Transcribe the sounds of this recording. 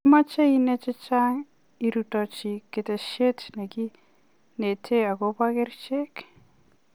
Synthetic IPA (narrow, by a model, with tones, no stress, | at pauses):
ma˦t͡ʃe˦i˦nɛ˦t͡ʃɪ˦t͡ʃa˦ŋ | i˨ɾutɔ˨t͡ʃikɪ˨tɛ˨ʃe˦tnɛ˨ki˦ | ne˨tʰe˦a˨ko˦pa˦kɪ˦rt͡ʃe˦k